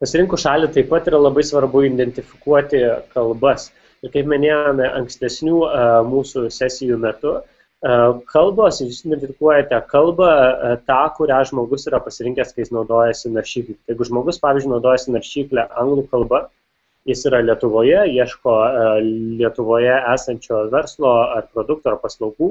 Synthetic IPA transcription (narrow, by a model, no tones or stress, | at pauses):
pɐsʲɪɾʲɪŋkʊʃɑːlʲɪt̪ɐɪpːɐt̪iːɾɐlˠɐbɐɪsʋɐɾbʊɪnd̪ʲɛnʲt̪ʲɪfʲɪkuɔt̪ʲɪkɐlˠbɐs | ɪɾkɐɪpmʲɪnʲeːjoːmʲɛʔɐŋksʲt̪ʲɛsʲnʲuːmuːsusʲæsʲɪjuːmʲɛt̪ʊ | kʰɐlˠboːsjusɪnd̪ʲɛnʲt̪ʲɪfʲɪkuɔjɛt̪ʲɛkɐlˠbɐt̪ɑːkʊɾʲæːʒmoːɡʊsiːɾɐpɐsʲɪɾʲɪŋkʲɛskɐjɪsnɒʊd̪oːjɛsʲɪnɐɾʲʃʲiːklʲɛjɛɪɡʊʒmoːɡʊspɑːʋʲizd͡ʒʲʊɪnʊd̪oːjɛsʲɪnɐɾʲʃʲiːklʲɛʔɐŋɡlˠuːkɐlˠbɐ | jɪsiːɾɐlʲiɛt̪ʊʋoːjɛiɛʃkoː | lʲiɛt̪ʊʋoːjɛæːsɐnʲt͡ʃʲoːʋʲɛɾslˠoːɐrpɾoːd̪ʊk̚t̪uːɐrpɐslˠɐʊɡuː